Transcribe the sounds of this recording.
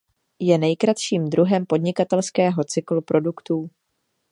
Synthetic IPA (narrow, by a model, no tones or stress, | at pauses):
jɛnɛjkɾat̪ʃiːmd̪ɾuɦɛmpo̞dɲɪkat̪ɛlskɛːɦo̞t͡sɪklupɾʔo̞dukt̪uː